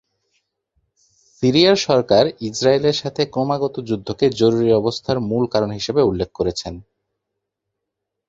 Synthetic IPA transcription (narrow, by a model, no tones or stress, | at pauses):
siɾiaɾʃɔɾkaɾid͡ʑɾaeleɾʃat̪ʰekɾomaɡɔt̪od͡ʑud̪ʱːoked͡ʑoɾuɾiɔbost̪ʰaɾmulkaɾonɦiʃebeulːek̚ʰːkoɾet͡ɕʰen